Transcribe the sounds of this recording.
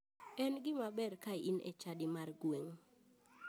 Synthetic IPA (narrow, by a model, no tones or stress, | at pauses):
ɛnɡɪmabɛrkainɛ̰t͡ʃadɪmarɡweŋ